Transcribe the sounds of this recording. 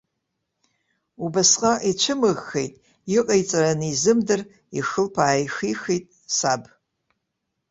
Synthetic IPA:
ubasqʼaʔit͡ʃʷʰɨmɨɣxḛjtʼ | iqʼajt͡sʼaranizɨmdɨr | ixɨlpʰaːjxixejtʼ | sab

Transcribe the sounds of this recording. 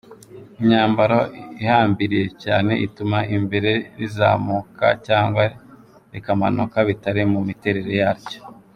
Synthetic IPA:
iɲaːmbaɾoihaːmbiɾije̞caːne̞̰ʔitumaʔimbe̞ɾe̞ɾiza̰ːmuːka̰caːŋɡwa | ɾekama̰no̰kaβitaɾimumite̞ɾe̞ɾe̞jaːɾɟo̥

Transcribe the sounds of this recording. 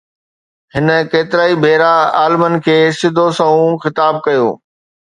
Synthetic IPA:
ɦɪnə̆keːt̪ɪɾaːibʱeːɾaaːlɪmənɪ̆kʰeːsɪd̪ʱosɐũxɪt̪aːb̚kɐjo̰ː

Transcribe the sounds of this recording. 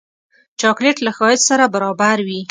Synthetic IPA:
t͡ʃɑkleʈlaxɑhɪd͡ʒsaɾabaɾɑbaɾwi

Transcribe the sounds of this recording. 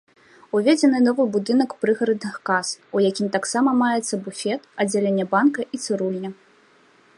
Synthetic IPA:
uvʲed͡zʲɛnɨnɔvɨbud̪ɨnɐkpɾɨɣɐɾɐd̪nɨxkasujakʲimt̪aksamɐmajɛt̪sːɐbufʲɛt̪ɐd͡zʲalʲenʲːɛbankɐʔit̪sɨɾulʲnʲɐ

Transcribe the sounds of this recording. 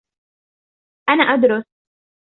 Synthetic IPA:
ʔanaːʔad̪ɾʊs

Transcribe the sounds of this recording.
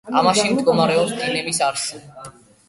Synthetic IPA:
a̰maʃimd̪ɡɔmaɾɛɔpsd̪inɛmisaɾʃi

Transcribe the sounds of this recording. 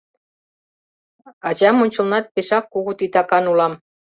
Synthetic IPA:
ɑd͡ʑɑmonʲt͡ɕə̆lnɑt̪̚peʃɑkːuɣut̪it̪ɑkɑnulɑm

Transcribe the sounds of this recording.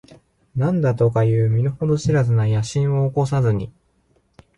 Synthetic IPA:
nãnd̪at̪o̞kajɯ̟ːmʲinoho̞d̪o̞ɕiɾazɨnajaɕĩɰ̃o̞ːko̞s̬azɨɲ̟i

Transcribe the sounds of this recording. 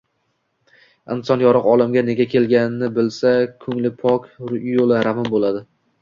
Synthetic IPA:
ɪnsɒnjɒɾɨqɒlˠɪmɡʲane̞ɡʲakʲʰe̞lɡʲanɪnɪbɪlsakʰɵŋlɪpʰɒkʲjolˠɪɾamɪmbolˠad̪ɪ

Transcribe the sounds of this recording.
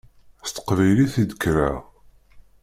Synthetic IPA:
st̪ə̥qvæjliθid̪əkɾaʁ

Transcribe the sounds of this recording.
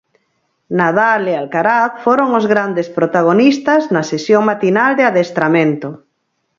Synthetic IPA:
nað̞alealkaɾaθfoɾoŋozɣɾand̪espɾot̪aɣ̞onist̪aznasesjoŋmat̪inald̪eaðest̪ɾamẽnt̪o

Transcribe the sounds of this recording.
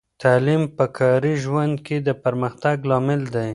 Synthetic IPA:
t̪alimpəkʰɑɾiʒwand̪ked̪əpəɾməxt̪aɡlɑmɪld̪aj

